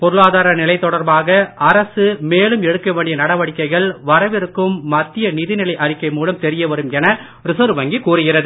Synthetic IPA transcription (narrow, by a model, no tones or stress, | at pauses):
pɔɾɯɭaːðaːɾɐnɪlɐɪt̪ːɔɽɐɾbaːɣɐɐɾɐsɯmeːlɯmɛɽɯkːɐʋeːɳɖɪjɐnɐɽɐʋɐɽɪkːɐɪɣɐɭʋɐɾɐʋɪɾɯkːɯmːɐt̪ːɪjɐnɪðɪnɪlɐɪʔɐrɪkːɐɪmuːlɐmt̪ɛɾɪjɐʋɐɾɯmɛnɐ | ɾɪsɐɾʋɐŋɡikuːrɯɣɪrɐðɯ